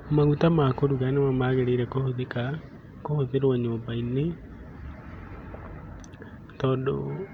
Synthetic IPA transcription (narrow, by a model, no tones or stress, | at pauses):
maɣutamakoɾuɣanemamaːɣeɾeiɾɛkohoðeka | kohoðeɾwaɲoːmbaine | tɔːndo̰